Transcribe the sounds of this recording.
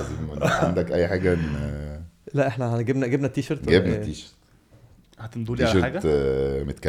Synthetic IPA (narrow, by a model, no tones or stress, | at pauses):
ziːmmʔenːʕa̰nd̪ækʔæjːħaːɡæʔenː | læʔeħnæhæɡebnæɡebnæt̪ːiːʃɑɾˤt̪ɡebnæt̪ːiːʃɑɾt̪ | hæt̪enmd̪uːliʕaʃeɾħaːɡæmet̪kæ